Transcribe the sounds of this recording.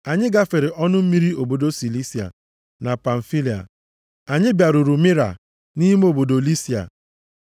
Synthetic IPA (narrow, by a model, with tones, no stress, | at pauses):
a˨ɲɪ˦ɡa˦fe˨ɾɪ˨ʔɔ˦nʊ˦m̩˦mi˦ɾi˦o˨bo˨do˦si˨li˦si˨a̰˨ | na˨pa˨ɱ̩˨fi˦li˨a̰˨ | a˨ɲɪ˦bja˨ɾʊ˨ɾu˨mɪ˦ɾa̰˨ | ni˦m˦o˨bo˨do˨li˦si˨a̰˨